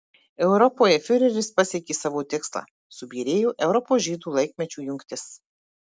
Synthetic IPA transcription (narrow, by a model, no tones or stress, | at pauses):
ɛʊɾɔpoːjɛfʲʊɾʲɛɾʲɪspɐsʲɛkʲeːsɑːʋoːt̪ʲɪkslˠɑ̰ː | sʊbʲiːɾʲeːjuːʔɛʊɾɔpoːʒʲiːd̪uːlˠɐɪkʲmʲɛt͡ʃʲuːjʊŋʲkt̪ʲɪs